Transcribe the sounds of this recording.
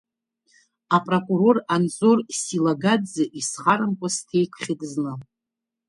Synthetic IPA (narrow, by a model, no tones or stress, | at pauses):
apʼrokʼuɾo̞ranzorsilaɡadzɨʔisχaɾɨmkʷʼʊstʰe̞jkʷʰχʲɪdznɨ